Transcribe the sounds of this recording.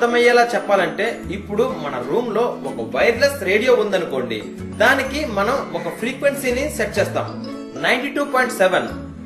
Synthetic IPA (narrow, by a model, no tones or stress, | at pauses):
t̪ɐmɐjːɐːlaːt͡ʃɛpːaːlɐɳʈe̞ːipːuɽumɐnɐɾuːmlo̞ːɔkɐʋɐjɾlesɾe̞ːɽijo̞ːund̪ɐnuko̞ːɳɖḭ | d̪aːnikimɐnɐmɔkɐpʰɾiːkʋe̞nsiːniʃeʈ̚t͡ʃɛːst̪a̰ːmu | nɐjɳʈiːʈuːpɔːjɳʈsɛʋen